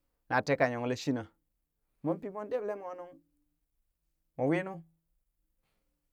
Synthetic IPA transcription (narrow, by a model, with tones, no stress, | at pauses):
na˨te˦ka˨ɲo˨ŋ˦le˦ʃi˦na˨ | mo˦npi˦mo˦n˦de˦ble˦mo˦nu˦ŋ | mo˨wi˦nu˦